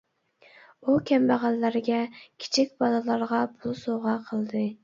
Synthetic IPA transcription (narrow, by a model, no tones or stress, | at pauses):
ukʲʰɛmbæʁɑlːɑɾɡʲɛkʲʰi̥t͡ʃʰik̚ʲbɑlˠɨlˠɑɾʁɑpʰulˠsoʁɑqʰəlˠd̪ɨ